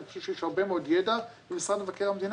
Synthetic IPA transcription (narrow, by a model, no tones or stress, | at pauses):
fʃuʃejɛʃhaʁbemeod̪jedavemesʁanlevakeʁamed̪in